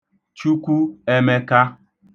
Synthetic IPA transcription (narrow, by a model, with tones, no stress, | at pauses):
t͡ʃu˦kʷu˦e˦me˦ka˦